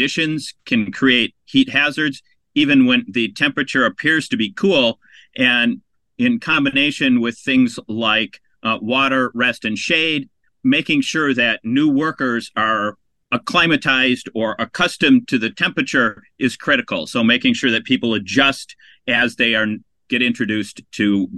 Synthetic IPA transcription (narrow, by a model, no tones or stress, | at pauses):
ɪʃɨ̃nz̥kʰɨ̃nkʰɹ̥ieɪt̚hit̚hæzə˞dz̥ | ivɨ̃nwə̃nðɨtʰɛ̃mpɹɨt͡ʃə˞ɨpʰɪɹz̥tʰɨbikʰulˠ | ʔɨ̃n | ɪ̃nkʰɑ̃mbɨneɪʃɨ̃nwɪð̥θɪ̃ŋzlaɪk | wɔɾə˞ɹɛstɨ̃nʃeɪd̚ | meɪkɪ̃ŋʃʊɹðɨtⁿnʉwɜ˞kə˞zə˞ | əkʰl̥ãɪ̃mɨtʰaɪzdə˞ʔəkʰʌstɨ̃mtʰɨðɨtʰɛ̃mpɹɨt͡ʃə˞ʔɨz̥kʰɹ̥ɪɾɨkl̩ˠsoʊmeɪkɪ̃ŋʃʊɹðɨt̚pʰipl̩ˠɨd͡ʒʌst | ɨzðeɪə˞ | ɡ̥ɛɾɪ̃nt͡ʃɹ̥ɨdʉstʰɨ